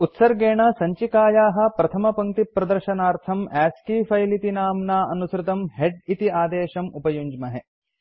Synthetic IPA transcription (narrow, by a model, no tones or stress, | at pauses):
ut̪sɐɾɡeːɳɐsɐɲt͡ʃikaːjaːɦɐ̆pɾɐt̪ʰɐmɐpɐŋt̪ipːɾɐd̪ɐɾʃɐnaːɾt̪ʰɐmæːskiːfɐjlit̪inaːmnaːʔɐnusɾɪt̪ɐmɦeɖit̪iaːd̪eːʃɐmupɐjuɲd͡ʒmɐɦe